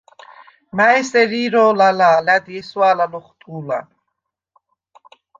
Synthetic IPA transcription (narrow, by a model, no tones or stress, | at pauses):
maɛsɛɾiːɾɔːlalaːlad̪iɛswaːlalɔχt̪ʼuːla̰